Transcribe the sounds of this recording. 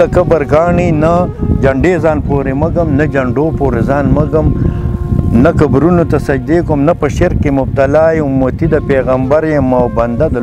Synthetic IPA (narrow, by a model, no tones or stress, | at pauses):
ɐkɐbɐɾɡɑːɳinad͡ʒɐɳɖeːzɑːnpoːɾemɐɡɐmnɐd͡ʒɐɳɖoːpoːɾezɑːnmɐɡɐm | nɐkɐbɾunot̪ɐsɐd͡ʒd̪eːkomnɐpɐʃeɾkːemʊb̚t̪ɐlaːiumot̪id̪ɐpeːɣɐmbɐɾjemawbɐnd̪ad̪ɐ